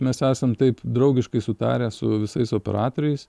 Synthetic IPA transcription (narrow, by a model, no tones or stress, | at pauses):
mʲɛsæːsɐmt̪ɐɪpd̪ɾɐʊɡʲɪʃkɐɪsʊt̪ɑ̰ːɾʲæːsʊʋʲɪsɐɪsoːpʲɛ̰ɾɑːt̪oːɾʲɛɪs